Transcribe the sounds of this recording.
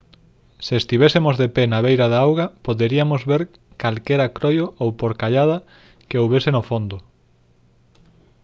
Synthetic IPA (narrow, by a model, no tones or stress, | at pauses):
seest̪iβɛsemozðepenaβejɾaðaawɣapoðeɾiamozβeɾ | kalkɛɾakɾojoʔowpoɾkaʎað̞ɐ | keowβesenofond̪ʊ